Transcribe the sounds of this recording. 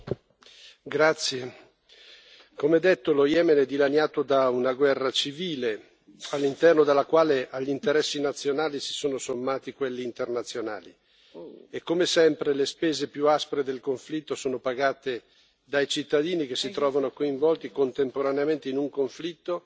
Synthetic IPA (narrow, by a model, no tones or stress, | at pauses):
ɡɾat̪sːje | komeɛd̪ːet̪ːolojɛmenɛd̪ːilaɲːaːt̪od̪aunaɡwɛrːat͡ʃiviːle | alːint̪ɛrnod̪elːakwaːleʔaʎːint̪eɾɛsːinat̪sːjonaːlisi̥soːnosomːaːt̪ikwelːiːnt̪ernat̪sːjona̰ːli | ekːomesɛmpɾelespeːzepjuaspɾed̪elkoɱflit̪ːosoːnopaɡaːt̪e | d̪ajt͡ʃit̪ːad̪iːnik̟esːit̪ɾɔːvanokoiɱvɔlt̪ikont̪empoɾaneament̪einuŋkoɱflit̪ːo